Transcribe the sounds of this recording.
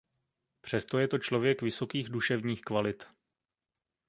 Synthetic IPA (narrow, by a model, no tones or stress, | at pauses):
pr̝̥ɛst̪o̞jɛt̪o̞t͡ʃlo̞vjɛkvɪso̞kiːɣduʃɛvɲiːxkvalɪt̪